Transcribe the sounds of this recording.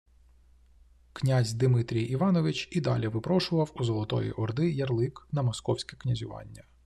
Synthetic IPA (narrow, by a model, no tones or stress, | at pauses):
knʲazʲd̪ɪmɪt̪ɾʲijiʋɑnɔʋɪt͡ʃid̪ɑ̰lʲiʋɪpɾɔʃʊʋɐwuzɔlˠɔt̪ɔ̰jḭʔɔrd̪ɪjɐrlˠɪknɐmɔskɔwsʲkʲɛknʲɐzʲʊʋɑ̰nʲːɐ